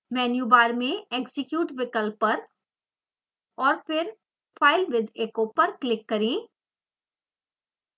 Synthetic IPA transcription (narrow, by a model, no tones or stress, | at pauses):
mɛːnjuːbaːɾmẽeːksɪkjuːʈʋɪkəlpːɐɾ | ɔːɾpɪɾ | fʰaːɪlʋɪd̪eːkopɐɾklɪkːɐɾĩː